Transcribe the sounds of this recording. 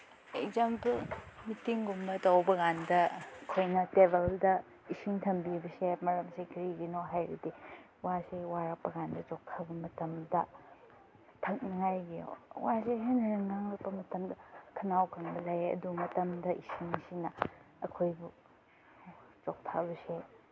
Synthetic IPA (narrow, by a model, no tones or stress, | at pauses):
ejzambumitiŋɡumbɐtɐwbɐɡandɐɐkʰojnɐtebeldɐ | isiŋtʰɐmbibɐsemɐɾɐmsekʰiɾiɡinoɦajɾidi | wasewaɾɐk̚pɐɡandɐt͡ʃɔk̚tʰabɐmɐtɐmdɐ | tʰɐk̚nɐŋajɡijo̰waseɦenɾɐŋnaŋlapːɐmɐtɐmdɐkʰɐnawkʰɐnbɐlajeɐ̰dumɐtɐmdɐʔisiŋsinɐ | ɐkʰojbu | t͡ʃɔk̚tʰa̰bɐse